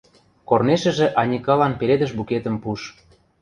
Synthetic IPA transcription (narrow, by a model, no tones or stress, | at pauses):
korneʃə̆ʒĕʔɑnʲikɑlɑnpeɾed̪ə̆ʃbuket̪ə̆mpuʃ